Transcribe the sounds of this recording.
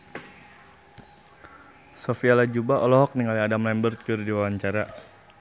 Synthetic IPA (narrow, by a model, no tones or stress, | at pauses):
sofialad͡ʒubaʔɔlɔɦɔk̚niŋaliadamlɛmbərt̪̚kɨrdiwawaɲt͡ʃaɾa